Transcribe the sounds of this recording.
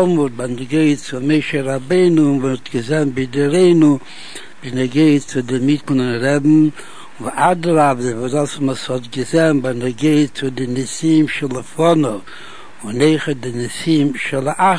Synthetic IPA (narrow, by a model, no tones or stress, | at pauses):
mutbanəɡeɪtt͡sʊmeɪʃəɾabeɪnʊvɔtɡəzɛnbɪdɪɾeɪnu | bɪnɛɡeɪtt͡sʊdɪmitl̩ɪnɾɛbm̩ | ʔadəɾabəvɔzasmɔshɔtɡəzɛnbanɛɡeɪtt͡sʊdɪnɪsimʃɪlˠəfɔnɔ | ʊneɪχət̚dɪnɪsimʃɪlˠəʔa